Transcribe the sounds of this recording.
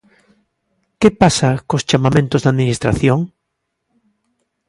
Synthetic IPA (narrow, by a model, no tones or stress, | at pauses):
kepasakost͡ʃamamẽnt̪ʊzðaðminist̪ɾa̰θjoŋ